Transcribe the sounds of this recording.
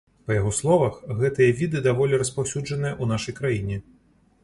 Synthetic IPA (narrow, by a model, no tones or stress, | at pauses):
pɐjaɣɔslˠɔvɐxɣɛt̪ɨjɐvʲid̪ɨd̪avɔlʲɛɾɐspawsʲud͡ʐɐnɨjɐʔun̪aʂɐjkɾajinʲɛ